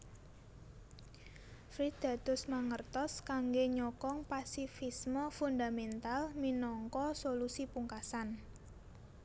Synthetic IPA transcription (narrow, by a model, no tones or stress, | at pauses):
fɾid̪̥a̤d̪̥ʊ̤smaŋərt̪ɔskaŋɡeɲɔkɔŋpasifisməfund̪amɛnt̪alminɔŋkɔsolusipuŋkasan